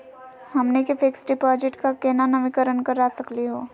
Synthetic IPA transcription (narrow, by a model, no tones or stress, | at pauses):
hɐmnekɪfɪksɖɪpaːd͡ʒɪʈkakeːnanɐʋɪkəɾənkɐɾaːsɐkliɦoː